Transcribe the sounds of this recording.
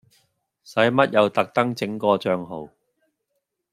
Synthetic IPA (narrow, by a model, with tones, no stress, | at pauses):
sɐ˨˥jmɐ˥t̚jɐ˨˧wt̪ɐ˨k̚t̪ɐ˥ŋt͡sɪ˨˥ŋkɔː˧t͡ʃœː˧ŋɦo˨˩w